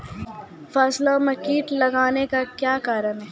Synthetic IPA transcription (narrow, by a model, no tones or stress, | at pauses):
faːslaɔɾmɐkiːʈlɐɡaːnekakjaːkaːɾənɦɛ